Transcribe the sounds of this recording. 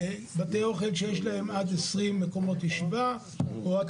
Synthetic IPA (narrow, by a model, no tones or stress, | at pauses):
bat̪eoχelʃejeʃlahe̞mad̪esʁimːeko̞mo̞t̪jeʃiva | oak